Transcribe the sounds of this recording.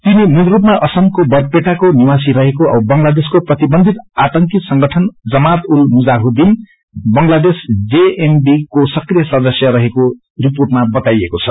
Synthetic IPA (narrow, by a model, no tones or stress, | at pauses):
t̪inininrupmaʔʌsʌmkobʌrpeʈakoniwasiɾʌɦekoʌ̰bʌŋlad̪eskoprʌt̪ibʌnd̪ʱit̪at̪ʌŋkisʌŋɡʌʈʰʌnd͡zʌmat̪ulmud͡zaɦod̪in | bʌŋlad̪esd͡zeembikosʌkrijʌsʌd̪ʌsjʌɾʌɦeko | riporʈmabʌt̪ajekot͡sʰʌ